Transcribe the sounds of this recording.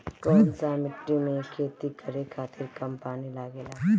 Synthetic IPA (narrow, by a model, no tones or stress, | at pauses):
kɔːnsamɪʈːimẽkʰeːt̪ikʰɐɾekʰaːt̪ʰɪɾkɐmpaːnilaːɡeːlaː